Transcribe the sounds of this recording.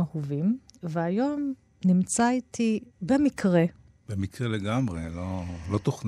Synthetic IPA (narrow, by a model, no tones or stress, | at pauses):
ahuvimveajo̞m | nimt͡saitibemikʁe̞ | b̥emikʁeleɡamʁelolo̞t̪oχn